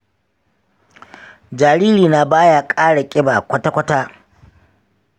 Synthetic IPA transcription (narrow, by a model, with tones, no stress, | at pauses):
d͡ʒaː˨ɽiː˦liː˨na˦baː˦ja˨kʼaː˦ɽa˨kʲʼɪ˦baː˨kʷɐ˦ta˦kʷɐ˦taː˦